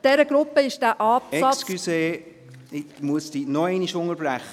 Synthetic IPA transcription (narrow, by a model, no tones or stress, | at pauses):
d̥ɛɾəɡ̥ɾʊpːəɪʃd̥æːʔɑːpsɛɑst͡skyseː | ɪmuəsd̥iːnɔɛɪniʃʊŋəɾb̥ɾæχə